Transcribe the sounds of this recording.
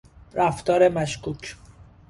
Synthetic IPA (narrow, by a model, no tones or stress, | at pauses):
ɾæft̪ɒːɾe̞mæʃkuːcʰ